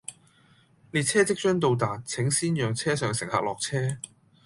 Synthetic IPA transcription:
liː˨˧t̚t͡sʰɛː˥t͡sɪ˥k̚t͡ʃœː˥ŋt̪̬o˧wt̪aː˨˩n̚t͡sʰɪ˨˥ŋsiː˥njœː˨ŋt͡sʰɛː˥sœː˨ŋsɪ˨˩ŋhaː˨k̚lɔː˨k̚t͡sʰɛː˥

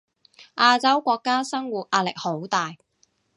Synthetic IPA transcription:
ʔaː˧t͡sɐ˥wkʷɔː˧kːaː˥sɐ˥ŋwuː˨t̚ʔaː˧˥tlɪ˨k̚ho˨˥wt̪aː˨j

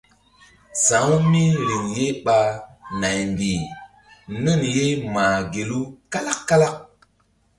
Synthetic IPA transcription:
sa˨˦ŋ˦mi˦li˨ŋje˦ɓa˦na˨jm˨bi˨ | nɨ˦˨nje˦maː˨ɡe˨lu˦ka˦la˦kːa˦la˦k̚

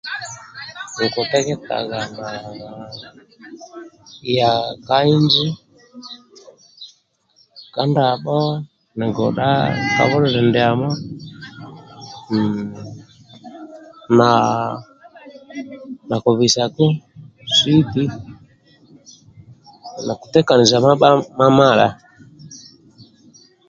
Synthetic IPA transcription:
u˨kɔ˨t̪ɛ˦kɛ˦t̪a̰˨ɣa˨na˨ | ja˨ka˦i˦nd͡ʒi˦ | ka˦nda˨ɓɔ˦ | nɛ˨ɡɔ˨ɗa̰˦ka̰˨˦ɓɔ˦ɾɔ˦ɾɛ˨ndɛ˨a˨ma˦ | n | na˨ | na˨kɔ˨βi˨sa˨ku˦ | si˦ti˦ | na˨ku̥˨tɛ˦ka˨ni˨za˨˦ma˦ma˦˨la̰˨

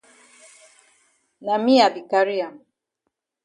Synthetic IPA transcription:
na˨mi˦a˨di˨ka˨ɾi˦a˨

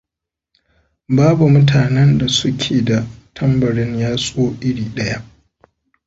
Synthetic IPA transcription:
baː˦bu˨mʊ˦tʰaː˨nɛ˦nda˨sʊ˦kʲʰeː˨da˨tʰɐ˦mbɐ˨ɽɪ˦ɲjaː˦sʼoː˦ʔɪ˦ɽiː˨ɗɐ˦ja˦ʔ

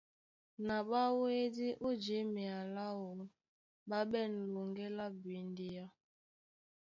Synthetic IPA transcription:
na˨ɓa˦we˦di˦ʔu˦d͡ʒe˨˦mi˨a˨la˦o˨˦n | ba˦ɓɛ˦˨n̩˨lu˨ŋɡe˦la˦bi˨n˦di˦a˦

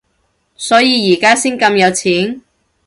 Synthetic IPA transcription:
sɔː˨˥jiː˨˧jiː˨˩kaː˥siː˥nkɐ˧mjɐ˨˧wt͡sʰiː˨˥n

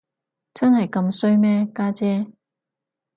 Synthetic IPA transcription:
t͡sɐ˥nhɐ˨˩jkɐ˧msɵ˥ɥmɛː˥kaː˥t͡sɛː˥

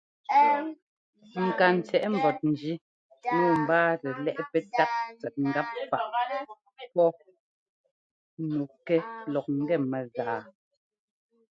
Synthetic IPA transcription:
ŋ̩˨ka˨n̩˨t͡sɛ˨ʔɛ˦m̩˨bɔ˨t̚n̩˨d͡ʒi˦ | nɔ˦˨m̩˨baː˦tɛ˨lɛ˦ʔpɛ˦ta˦t̚t͡sɛ˨ʔ̚ŋ̩˨ɡa˦p̚fa˨ʔ | pɔ˦ | nu˨kɛ˦lɔ˨k̚ŋ̩˦ɡɛ˦˨mɛ˨zaː˨

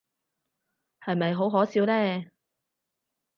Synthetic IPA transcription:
hɐ˨jmɐ˨jɦo˨˥wɦɔː˨˥siː˨˥wlɛː˥˩

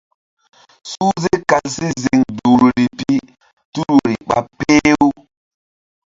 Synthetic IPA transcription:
suː˦ze˦ka˨ssi˦zi˨ŋdu˨ɾɾi˨pi˦ | tu˦ɾu˨ɾi˨ɓa̰˨pe˦u˦

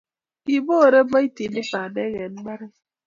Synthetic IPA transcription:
i˨bo˦˨ɾe˦ma˦i˦ti˨ni˦pa˨ne˦ɣe˨n̩˦ma˦ɾi˦

